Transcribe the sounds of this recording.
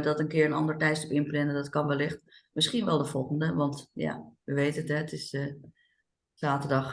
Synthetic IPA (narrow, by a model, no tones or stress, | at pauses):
dɑtənkɪːɹənɑndəɹtɛjtstəpɪnplɛnədɑtkɑnʋɛlɪχtmɪsχinʋɛlˠdəfɔlˠχəndəʋɑntja̰ʋəʋejtətɦɛətɪs | saːtəɹdɑχ